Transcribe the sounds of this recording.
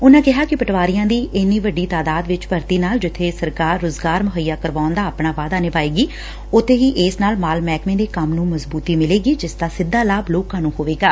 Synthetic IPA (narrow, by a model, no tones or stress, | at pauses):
ʊnãːkɪɦaːkɪpəʈʋaːɾɪjãːd̪iːʔɪnːĩːʋəɖːiːt̪aːd̪aːd̪ʋɪt͡ʃpəɾt̪iːnaːld͡ʒɪt̪ʰːeːsəɾkaːɾːoːzɡaːɾməɦəjːaːkəɾʋaːʊnd̪aːəpɳaːʋaːd̪aːnɪbaːeːɡiː | ʊt̪ʰːeːɦiːʔɪːsnaːlmaːlmɛːkmẽːd̪eːkəmnũːməzbuːt̪iːmɪleːɡiːd͡ʒɪsd̪aːsɪd̪ːaːlaːbloːkãːnũːɦoːʋeːɡaː